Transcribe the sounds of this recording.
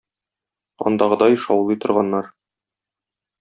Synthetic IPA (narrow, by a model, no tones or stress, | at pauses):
ɒ̰nd̪ɑʁɤd̪ɑjʃɒwlˠɤjt̪ŏɾʁɑnːɑɾ